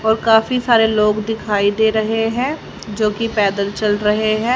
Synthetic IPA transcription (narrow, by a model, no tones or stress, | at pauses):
ɔːɾkaːfisaːɾeloːɡd̪ɪkʰaːid̪eːɾɐɦeɦɛ̃ː | d͡ʒoːkipɛːd̪əlt͡ʃɐlɾɐɦeɦɛ̃ː